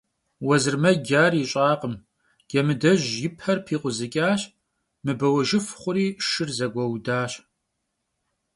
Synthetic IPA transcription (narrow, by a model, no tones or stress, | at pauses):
wɐzɨrmɐɡʲaːrjɪɕʼaːqəm | ɡ̥ɛmɨdɐʒjɪpʰɐrpʰiːqʷʊzɨkʲʼaːɕ | mɨbɐwɐʒɪfχʷʊɾiːʂɨrzɐɡʷɐwdaːɕ